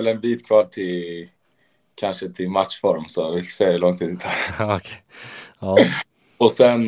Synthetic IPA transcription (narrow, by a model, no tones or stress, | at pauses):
ɛlɛnbiːt̪kʰvɑːʈʰɪl | kʰanʂət̪ʰɪlmat̪ʂfɔɾmsɔvɪsɛəɾlɔŋt̪ʰiːd̪ːd̪aɾkʰe | ɔsɛn